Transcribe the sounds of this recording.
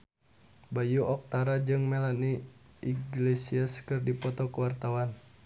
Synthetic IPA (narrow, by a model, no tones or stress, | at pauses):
bajuʔɔk̚t̪aɾad͡ʒɨŋmɛlani | iɡlesiəskɨrdipɔt̪ɔkuwart̪awan